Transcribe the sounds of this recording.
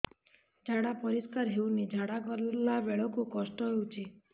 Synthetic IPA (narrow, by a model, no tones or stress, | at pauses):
d͡ʒʱaɽapɔɾiskaɾɦewnid͡ʒʱaɽakɔɾlaʋeɭɔkukɔsʈɔɦewt͡ʃʰi